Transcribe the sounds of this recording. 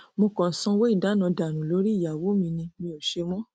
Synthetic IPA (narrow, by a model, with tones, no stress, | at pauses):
mo˧kɔ̃˨n̩˨˦sɔ̃˧wo˦i˦˨da˨˦nã˧da˨nũ˨lo˨˦ɾi˦i˦˨ja˨wo˨˦mĩ˧nĩ˧mĩ˧o˨ʃe˧mɔ̃˦